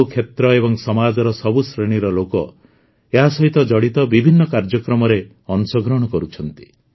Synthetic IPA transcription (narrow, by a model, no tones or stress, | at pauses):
kʰet̪ɾɔebɔŋsɔmad͡ʒɔɾɔsɔbusɾeɽ̃iɾɔlokɔ | eɦasɔɦit̪ɔd͡ʒɔɽit̪ɔbibʱinːɔkaɾd͡ʒɔkɾɔmɔɾe | ɔnsɔɡɾɔɽ̃ɔkɔɾut͡ʃʰɔnt̪i̥